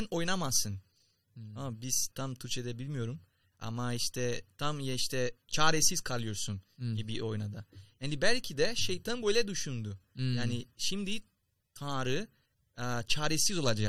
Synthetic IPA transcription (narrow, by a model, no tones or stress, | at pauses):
no̞jnamasːɯn | abiz̥t̪ʰamt̪ʰyɾt͡ʃʰɛd̪ɛbilʲmijo̞ɾum | a̰maiʃt̪ʰɛt̪ʰamjaiʃt̪ʰɛt͡ʃʰaːɾesiz̥kʰalˠɯjo̞ɾsunɟibiʔo̞jnad̪ahɛnd̪ibælʲcʰid̪ɛʃejt̪ʰanbø̞jlʲɛd̪yʃund̪ʊjaːniʃimd̪i | t̪ʰaːɾɯ | t͡ʃʰaːɾesizo̞lˠad͡ʒa